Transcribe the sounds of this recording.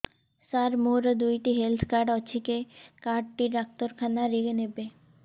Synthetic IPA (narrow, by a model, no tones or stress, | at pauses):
saɾmoɾəd̪ujʈiɦelt̪ʰkaɾɖɔt͡ʃʰikekaːɖ̚ʈiʈak̚t̪oɾkʰanaɾeɡenebe